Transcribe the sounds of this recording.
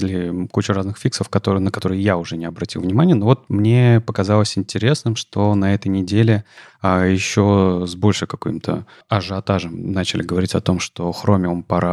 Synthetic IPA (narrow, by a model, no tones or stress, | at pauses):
ɪlʲɪkut͡ɕʊraznɨxfʲiksəfkɐt̪oɨnəkɐt̪o̞ɾɨjjaʊʐɛnʲɪɐbɾɐtʲilˠvnʲɪmanʲɪjənovo̞t̪̚mnʲe̞pəkɐzalˠəsʲɪnʲtʲɪɾʲe̞snɨmʂt̪o̞nɐɛt̪əjnʲɪdʲelʲɪ | ajɪɕːo̞zbo̞lʲʂɨkɐko̰jmt̪ʰə̰ | ɐʐɨɐt̪aʐəmnat͡ɕɪlʲɪɡəvɐɾʲitʲɐt̪o̞mʂt̪o̞xɾo̞mʲɪompɐɾʔa